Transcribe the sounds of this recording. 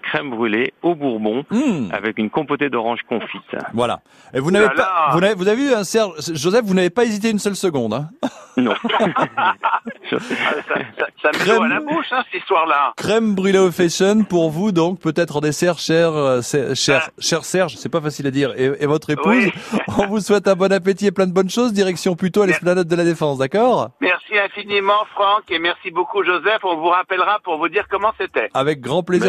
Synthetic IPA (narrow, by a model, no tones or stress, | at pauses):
kχɛmbʁyleobuʁbɔ̃a̰vɛkynkɔ̃pot̪ed̪ɔʁɑ̃ʒkɔ̃fit̪vwala̰ | evunavepavunavevuzaveyɛ̃sɛʁʒʒozɛfvunavepaezit̪̬eynsœlsəɡɔ̃d̪ɛ̃nɔ̰̃ | sasasamɛalaboʃɛ̃sist̪waʁlakχɛmbʁylefɛʃɔnpuʁvud̪ɔ̃k̚pøt̪ɛt̪χɑ̃d̪esɛʁʃɛʁsɛʃɛʁʃɛʁsɛʁʒsɛpafasilad̪iʁeevɔt̪χepuzɔ̃vuswɛt̪ɛ̃bɔnap̬et̪ieplɛ̃d̪əbɔnʃozd̪iʁɛksjɔ̃plyt̪oalɛsplanɛt̪̚d̪əlad̪efɑ̃sd̪akɔːʁmɛʁsiɛ̃finimɑ̃fχɑ̃kemɛʁsibokuʒozɛfɔ̃vuʁapɛlʁapuʁvud̪iʁkɔmɑ̃set̪ɛavɛk̚ɡʁɑ̃plezi